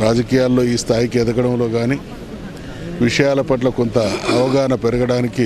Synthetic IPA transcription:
ɾaːd͡ʒɐkiːjaːlːo̞ːiːst̪ʰaːjikiɛd̪ɐɡɐɽɐmlo̞ːɡaːniː | ʋiʂɐjaːlɐpɐʈ̬lɐkont̪ɐːʋɐɡaːnɐpeɾɐɡɐɽaːniki

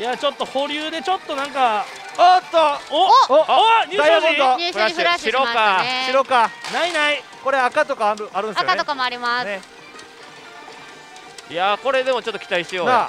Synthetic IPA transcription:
jat͡ɕo̞t̪ːo̞ho̞ɾʲɯːd̪e̞t͡ɕo̞t̪ːo̞nãŋka | ot̪ːoooɲɨːsajoõd̪osaɕɕiɾokkaɕiɾo̞ːkanainai | ko̞ɾeakat̪o̞kaɾɯaɾɯ̃nd̪esaokamoaɾʲimane | ijako̞ɾe̞d̪e̞mo̞t͡ɕo̞t̪ːo̥ki̥t̪aiɕijoːna

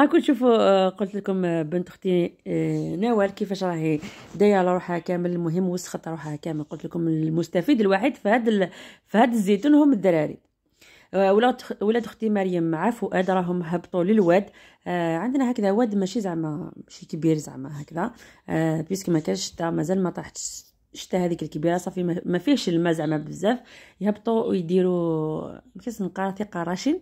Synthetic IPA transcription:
ɑkuʃufuqolt̪lkʊmbənt̪əxt̪i | næwælkəfæʃɾˤɑħid̪æjælɾˤuħækæmələlmʊɦəmːwəsːxət̪ˤɾˤuħahkæməlqʊlt̪ləkʊmlmʊst̪æfid̪əlwaħid̪fhæd̪fhæd̪əzːit̪unhʊməd̪ːæɾæɾḭ | wlæwlæd̪xt̪imæɾjəmːʕafʊʔæd̪ɾˤɑɦʊmɦəbt̪ˤuləlwæd̪ | ʕənd̪næhækd̪æwæd̪mæʃizaʕmæmæʃikbiɾzəa̰ʕmæɦækd̪æ | biskmækænʃt̪ːæmæzælmæt̪ˤɾɑħt̪ | ʃt̪ːæhæd̪ikəlkbiɾɑsˤɑfiæmæfihʃəlmæzəʕmæbəzːæfjhəbt̪ˤujd̪iɾu | mækæʃnqɑɾˤt̪iqɑɾˤɑʃin

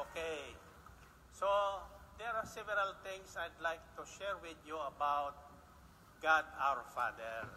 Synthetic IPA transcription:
ʔoke | sod̪ɛɹasɛvɛɾalt̪ɪ̃ŋsajd̪lajk̚t̪uʃɛɹwɪd̪juɐbawt̪̚ | ɡ̥ad̪awɹfa̰d̪ɛɹ

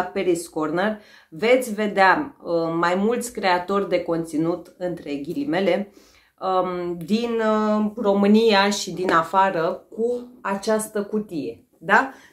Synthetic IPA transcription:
peɾiskorner | ve̞t̪sʲve̞d̪eamajmult̪sʲkɾe̞at̪o̞rʲd̪e̞ko̞nt̪sinut̪ɨnt̪ɾe̞ɡʲilime̞le̞ | d̪inro̞mɨnijaʃid̪inafaɾəkuat͡ʃast̪əkut̪ije̞ | d̪a

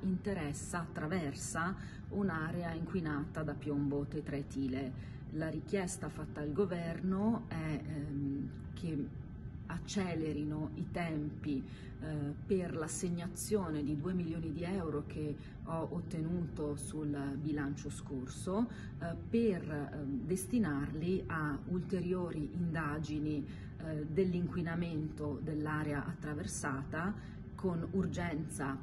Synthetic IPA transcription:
int̪eɾɛsːaːt̪ːɾavɛrsa | unaːɾeaiŋkwinaːt̪ad̪apjombot̪et̪ːɾet̪iːle | laɾik̟jɛst̪afat̪ːaalɡovɛrnoɛ | k̟ʰe | at͡ʃːɛːleɾinoit̪ɛmpi | perlasːeɲːat̪sːjoːned̪id̪uːemiljoːnid̪iɛwɾok̟e | ɔot̪ːenuːt̪osulbilant͡ʃoskorso | perd̪est̪inarliault̪eɾjoːɾiʔind̪aːd͡ʒini | d̪elːiŋkwinament̪od̪elːaːɾeaʔat̪ːɾaversaːt̪a | konurd͡ʒɛnt̪sa

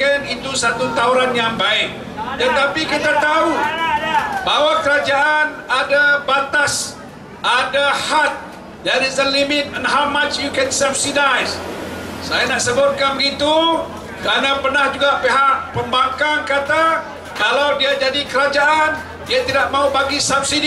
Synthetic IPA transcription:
ənit̪usat̪ut̪auɾanjaŋbaɪk̚ | dənt̪apikit̪at̪au | bawakəɾad͡ʒaʔanadabat̪as | ʔadahat̪̚ | d͡ʒaɾizənlimɪt̪̚ənɦamat͡ʃjukansɛfsidajssajanaʔsəbʊt̪̚kanbəɡit̪u | kɾanapərnahd͡ʒuɡaʔpeɦak̚pəmbaŋkaŋkat̪a | kalawdiad͡ʒadikəɾad͡ʒaʔan | diat̪idaʔ̚maubaɡisab̚sid

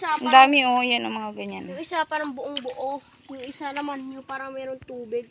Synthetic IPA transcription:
saʔɐnd̪aːmɪʔojɐnɐŋmɐŋaɡɐɲanʔɪsapɐnɐŋbʊʔoŋbʊʔo | jʊŋʔɪsanɐmanɲopaːɾɐmɛːɾoŋt̪uːbɪɡ̚

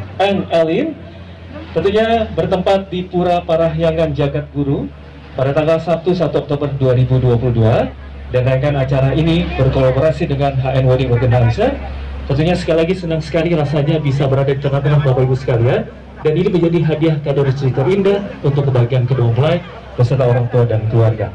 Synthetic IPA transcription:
ɛnɛlin | t̪ənt̪uɲabərt̪əmpat̪̚dipuɾapaɾaɦjaŋand͡ʒaɡat̪̚ɡuɾu | padat̪aŋɡalsap̚t̪usat̪uɔk̚t̪obərduaɾibuduapuluhdua | danrajŋkanat͡ʃaɾaʔinibərkolaboɾasidəŋanɦaɛnwodɪŋbəɡəndaːnsət̪ənt̪uɲasə̥kalilaɡisənaŋsə̥kaliɾasaɲabisabəɾadadit̪əŋaht̪əŋahbabaibusə̥kalia | daniniməɲd͡ʒadiɦadiahkadʊrst̪ɾit̪ɔrindaunt̪ʊkːəbaɡiankəduaməlaj̪̚ | b̥əsərt̪aoɾaŋt̪uadankəluarɡa̰

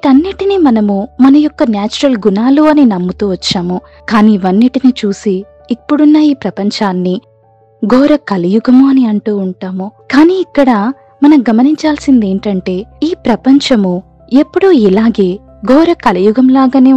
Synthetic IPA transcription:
ikɐnːiʈinimɐnɐmumɐnɐjɔkːɐnjaːt͡ʃuɾɐlɡunaːluɐninɐmːut̪uːʋɐt͡ʃːaːmu | kaːniʋɐnːiʈiniːt͡ʃuːsiː | pːuɽunːɐiːpɾɐpɐɲt͡ʃaːnːi | ɡɔːɾɐkɐlɐjuɡɐmuɐniɐɳʈuːɳʈaːmukaːniːikːɐɽɐ | mɐnɐmɡɐmɐniɲt͡ʃaːlsind̪e̞ːɳʈɐɳʈe̞ːiːpɾɐpɐɲt͡ʃɐmu | e̞pːuɽuilaːɡe̞ː | ɡɔːɾɐkɐlɐjuɡɐmlaːɡaːneː

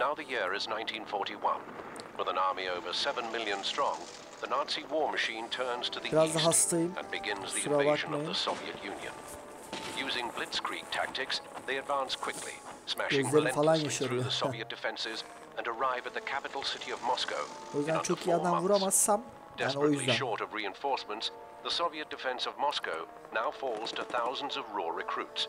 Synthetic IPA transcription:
naʊðɨjɪɹɪznãɪ̃ntʰĩnfɔɹɾiwʌ̰̃nwəðə̃nɑɹmioʊvə˞sɛvə̃nmɪlˠjɨ̃nstɹ̥ɔ̃ŋ | ðɨnɑɹtsiwɔɹmɨʃĩntʰɜ̃˞nz̥tʰɨðiiɾazd̪ˠaɦast̪ʰajɯmə̰̃nbɨɡɪ̃nzðiuɾabakmajɯəsoʊviɨ̰tjʉ̃njɨ̰̃n | jʉzɪ̃ŋblɪtskʰɹ̥ḭk̚tʰæ̰k̚tɨksðeɪɨdvæ̃nskʰw̥ɪklḭsmæʃøzlʲefalˠanjaʃaɾijðɨsoviɨt̚d̥ɨfɛ̃nsɪz | ɨ̃nə˞aɪvɨt̪̚ðɨkʰæpɨɾl̩ˠsɪɾiʌvmɑsko̰ʊojyzd̪æ̃nt͡ʃʰo̞kʰijad̪amvuɾamassam | d̥aːnio̞jyzd̪ænʃɔɹɾʌvɹiɨ̃nfɔɹsmə̃nts | ðəsoviɨt̚d̥ɨfɛ̃nsʌvmɑskoʊ | naʊfɔlˠz̥tʰɨθaʊz̃n̩zʌvɹɔɹɹɨkʰɹ̥ʉts

